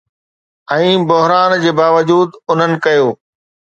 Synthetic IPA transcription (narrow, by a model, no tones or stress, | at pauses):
ɛ̃ːbʊɦɾaːnd͡ʑeːbaːʋəd͡ʑuːd̪ʊn̤ənɪ̆kɐjoː